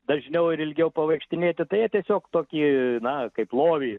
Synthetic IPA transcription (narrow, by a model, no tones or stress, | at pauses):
d̪ɐʒʲnʲɛʊɪɾɪlʲɡʲɛʊpɐʋɐɪkʃʲt̪ʲɪnʲeːt̪ʲɪt̪ɐɪjiɛt̪ʲiɛsʲoːkt̪oːkʲiːnɐkɐɪplˠoːʋʲiː